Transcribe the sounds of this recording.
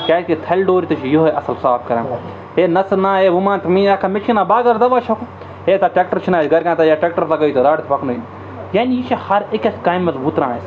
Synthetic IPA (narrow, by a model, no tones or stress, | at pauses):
kʲaːtket̪ʰɐlʲɖoːɾit̪ɐt͡ʃʰijoɦoʔɐsɐlsaːpkɐɾẽ | eːnɐsɨnãːeʋumãːnt̪mĩːɐkʰɐmet͡ʃʰinaːbaːɡɐɾd̪ɐʋat͡ʃʰɐku | eːt̪aʈʲek̚ʈɐɾt͡ʃʰinaːsʲɡɐɾkãnt̪ɐjaʈek̚ʈɐɾt̪ɐɡɐjt̪ɐɾaːɽʲt̪pɐknoin | jaːnijit͡ʃʰɐhɐɾekʲɐskaːjmːɐzbuːt̪ɾãːis